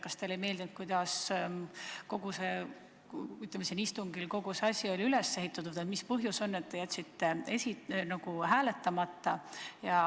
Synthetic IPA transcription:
kɑst̪eolejme̞ːld̪inut̪̚kujd̪ɑs | ko̞ɡ̥use̞ | yt̪ˑlemesinist̪uŋɡilko̞ɡ̥useɑsʲio̞lʲiylesːe̞hit̪ːˑɑt̪ːˑud̪et̪mispɤɦjuso̞nːe̞t̪ːe̞jæt̪ʲːsit̪ːe̞e̞sinɑɡ̥uɦæːle̞t̪ːɑmɑt̪ːɑjɑ

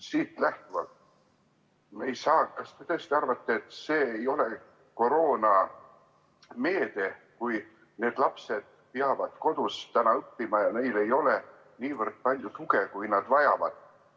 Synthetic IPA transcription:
siːt̪læht̪uvɑ̰ | mejsɑːkɑst̪et̪øːst̪iɑrvɑt̪ːˑɑet̪ːse̞ːejo̞le̞ | ko̞ɾo̞ːnɑ | me̞ːd̪̥e̞ | kuj | ne̞ːd̪̥lɑpse̞d̪̥̚ | piɑvɑd̪̥ko̞d̪̥ust̪ːænɑɤpːimɑjɑne̞jle̞jo̞le | niːvərd̪̥̚pɑlʲjut̪uɡe̞kujnɑd̪̥vɑjɑvɑ̰d̪̥

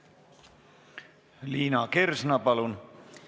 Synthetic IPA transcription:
liːnɑkersnɑpɑlun

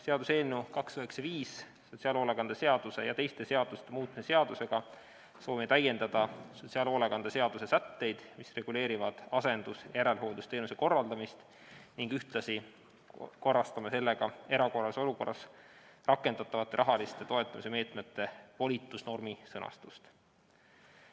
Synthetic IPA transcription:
se̞ɑd̪usenːukɑksøɦeksɑviːs | so̞t̪ʲsiɑlo̞leɡɑnd̪̥ɑse̞ɑd̪̥use̞jɑt̪e̞jst̪e̞se̞ɑd̪̥ust̪emuːt̪̚ˑmsse̞ɑd̪̥use̞ɡ̥ɑ | so̞ːmet̪æje̞nd̪ɑd̪̥ɑsot̪ʲsiɑloleɡɑnd̪̥ɑse̞ɑd̪̥usesæt̪ːe̞jd̪̥misre̞ɡ̥ule̞ːɾivɑd̪̥ɑse̞nd̪̥usjɑjæɾe̞lɦo̞ːld̪ust̪e̞ːnuse̞ko̞rːɑld̪̥ɑmist̪ | niŋɡ̥yht̪lɑsi | ko̞rːɑst̪ɑmɑse̞lːeɡ̥ɑe̞ɾɑko̞rːɑso̞luko̞rːɑs | rɑkːe̞nd̪̥ɑt̪ˑːɑvɑt̪ːˑe̞ɾʔɑɦɑlist̪e̞t̪o̞e̞t̪ːˑɑmise̞me̞ːt̪me̞t̪ːe̞vo̞lʲit̪ːˑusno̞rmisɤnɑ̰st̪ust̪

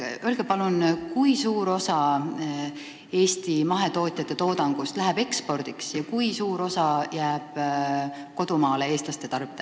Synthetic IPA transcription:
ølɡ̥epɑlunkujsuːɾo̞sɑ | e̞ːst̪imɑɦe̞t̪o̞ːt̪ʲˑjɑt̪ːe̞t̪o̞ːd̪̥ɑŋɡ̥ust̪læɦeb̥e̞kspo̞rd̪̥iksjɑkujsuːɾo̞sɑjæːb̥ | ko̞d̪umɑːle̞e̞ːst̪lɑst̪e̞t̪ɑrb̥id̪e

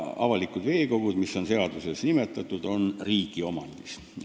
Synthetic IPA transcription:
ɑ̰vɑlikud̪ve̞ːko̞ɡ̥ud̪misːo̞nse̞ɑd̪̥use̞snimet̪ːˑɑt̪ːˑud̪̥o̞nriːɡ̥io̞mɑnd̪̥is

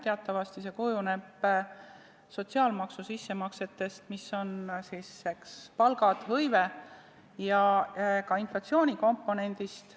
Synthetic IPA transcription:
t̪e̞ɑt̪ˑːɑvɑst̪ise̞kujune̞b̥ | so̞t̪ʲsiɑːlmɑksusisːe̞mɑkse̞t̪ːe̞st̪misːo̞nsisːe̞kspɑlɡ̥ɑd̪̥hɤjve̞ | jɑkɑinflɑt̪sio̞ːnʲiko̞mpːˑo̞ne̞nd̪̥ist̪

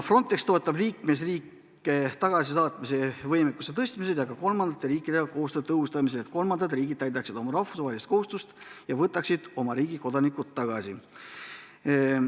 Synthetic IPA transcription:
fro̞nt̪ːˑe̞kst̪o̞et̪ːˑɑbliːkme̞s̬riːkːˑ | et̪ɑɡ̥ɑsisɑːt̪ˑmise̞vɤjmekːuse̞t̪ɤsʲt̪mised̪jɑɡɑko̞lmɑnd̪̥ɑt̪ːˑe̞ɾiːkːˑid̪̥e̞ɡ̥ɑko̞ːst̪øːt̪t̪ːɤhust̪ɑmis̬elet̪ko̞lmɑnd̪ɑd̪riːɡid̪̥t̪ːæjd̪ɑksid̪̥o̞mɑɾɑhfusvɑːelist̪ko̞hust̪ust̪jɑvɤt̪ːˑɑksid̪̥o̞mɑɾiːɡ̥iko̞d̪̥ɑnikːˑut̪ːɑɡ̥ɑsi

